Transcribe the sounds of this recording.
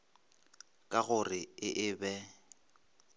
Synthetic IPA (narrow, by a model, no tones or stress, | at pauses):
kʼaɣʊrɪɪʔɪbɛ